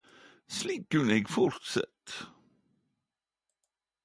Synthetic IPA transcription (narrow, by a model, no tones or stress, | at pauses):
sliːkːɵnɛɡfɔɾt̪sɛ̰t̪ː